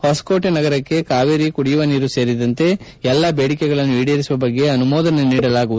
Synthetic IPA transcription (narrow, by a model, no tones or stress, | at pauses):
hoːskoːʈenɐɡɐɾɐkːe̞kaːʋeɾikuɽijʋɐniːɾuse̞ːɾid̪ɐnt̪e̞ | ɛlːɐbeːɽikɛɡɐɭɐnːuiːɽijɐɾisuʋɐbɐɡːe̞ɐnumɔːd̪ɐneniːɽɐlaːɡuʋud̪